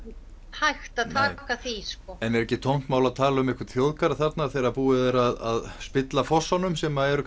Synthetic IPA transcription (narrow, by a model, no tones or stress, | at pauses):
hajxt̪aðt̪ʰaːkaθiskɔɛnɛɾɛhcːɪt̪ʰowm̥t̪maːwlaðt̪ʰaːlaʏmɪhkvʏɾt̪θjowðkaɾθat̪naθejɾaðpuːɪðɛɾaða̰ðspɪt̪lafɔsːanʏmsɛmaɛɾʏ